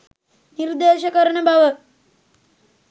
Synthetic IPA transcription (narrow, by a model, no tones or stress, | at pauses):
niɾd̪eʃɐkəɾɳebʱaʋə